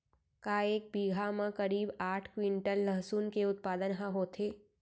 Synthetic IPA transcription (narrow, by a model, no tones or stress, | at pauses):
kaːeːk̚biɡʱamãkəɾiːbaːʈʰkwiɳʈəlːəɦsuːnkeʊt̪̚paːd̪ənɦə̃ɦoːt̪ʰe